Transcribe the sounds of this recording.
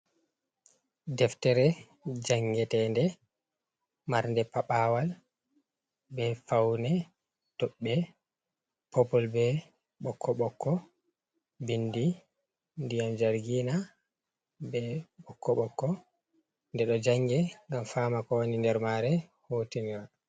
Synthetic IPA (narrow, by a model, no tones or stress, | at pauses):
dɛftɛɾɛ | d͡ʒaŋɡɛtɛndɛ | maɾndɛpaɓaːwal | bɛfawnɛ | tɔɓːɛ | pɔpɔlbɛ | ɓɔkʰːɔɓɔkʰːɔ | bindi | ndijamd͡ʒaɾɡina | bɛɓɔkːɔɓɔkːɔ | ndɛɗɔd͡ʒaŋːɡɛŋɡamfaːmakɔwonindɛɾmaːɾɛhotiniwa